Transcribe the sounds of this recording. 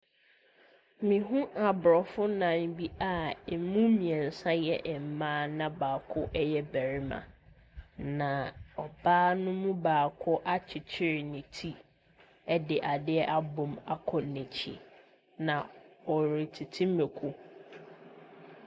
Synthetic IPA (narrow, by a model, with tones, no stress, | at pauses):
mĩ˨ɦũ˦a˨bɾɔ˨fʊ˦nã˨m̩˦bi˦a˦˨mũ˦mĩ˨ɛ˨n̩˨sã˦jɛ˦ʔɛ˨m̩˨mãː˦nã˦baː˨kʰʊ˦ʔɛ˦jɛ˦bæ˨ɾi˦mã̰˨ | nã˨ɔ˨baː˦nʊ̃˦mũ˦baː˨kʰʊ˦ʔa˦t͡ɕʰɪ˨t͡ɕʰɪ˦ɾɪ˨nɪ̃˨tʰi˦ | ɛ˦dɪ˨ʔa˨dɪ˦ɛ˦ʔa˦bʊ̃˨ma˦kʰɔ˨nɛ̃˨t͡ɕʰḭ˦ | nã˨ɔ˨ɾi˨tʰi˨tʰĩ˦me˨kʰu˦